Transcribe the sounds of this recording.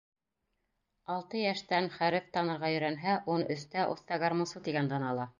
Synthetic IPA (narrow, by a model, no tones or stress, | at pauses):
ɑlˠt̪ɤjæʃt̪ænχæɾɘft̪ɑnɤ̆ɾʁɑjɵ̆ɾænɦæʔunɵ̆st̪æʔŏ̰θt̪ɑɡɑɾmosɤt̪iɡænd̪ɑnɑlˠɑ